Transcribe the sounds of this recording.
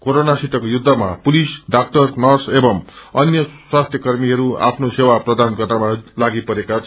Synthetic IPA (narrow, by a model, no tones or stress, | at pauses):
koɾonasiʈ̪ʌkojud̪ʱːʌmapulisɖak̚ʈʌrnʌrsebʌmʌnjʌswast̪ʰjʌkʌrmiɦʌɾua̰pʰnosewaprʌd̪anɡʌrnamalaɡipʌɾekat͡sʰ